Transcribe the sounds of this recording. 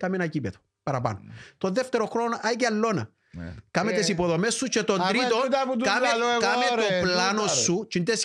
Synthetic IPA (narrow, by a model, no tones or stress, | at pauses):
kɐmenɐcipet̪o̥ | pɐɾɐpɐ̰not̪o̞ðeft̪eɾoxɾonoʔɐiceɐlːo̞nɐ̰ | kɐmet̪esipo̞ðo̞mesːut͡ʃet̪o̞nd̪ɾit̪ot̪kamekɐmeopplɐnosːut͡ʃint̪es